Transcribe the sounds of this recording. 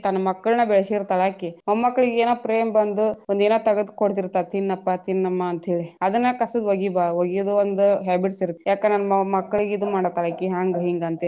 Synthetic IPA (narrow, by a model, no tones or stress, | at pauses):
t̪ɐnumɐkːɐɭnɐbɛɭsiɾt̪ɐɭakionmɐkːɐɭiɡeeːnoːpɾeːmbɐnd̪uond̪eːnoːt̪ɐɡɐd̪koɽt̪̬iɾt̪ːaːt̪ʰinːɐpːat̪ʰinːɐmːɐːnt̪ɦeːɭiɐd̪ɐnːɐkɐsud̪ʋɐɡibaʋoɡijud̪uond̪uɦaːbiʈsiɾut̪ːejaːkenanɐmɐkːɐɭiɡid̪umaːɽɐt̪ɐɭɐkiɦaːŋɡɐɦiŋɡɐnt̪e